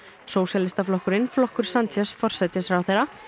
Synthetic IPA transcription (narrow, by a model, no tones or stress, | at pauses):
soːwsjalɪst̪aflɔhkʏɾɪnflɔhkʏɾ̥sant̪ʰjasfɔr̥sɛt̪ɪsfɾawθejɾa